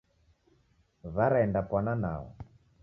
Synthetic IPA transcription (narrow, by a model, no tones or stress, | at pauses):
βaɾaɛndapwanana̰ɔ̰